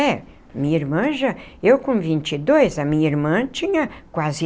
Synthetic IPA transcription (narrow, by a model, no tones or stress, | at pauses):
ɛ | mĩɲɐiɾmɐ̃ʒaewkõvĩnt͡ʃɪd̪ojzɐmĩɲɐiɾmɐ̃t͡ʃĩɲɐkwazɪ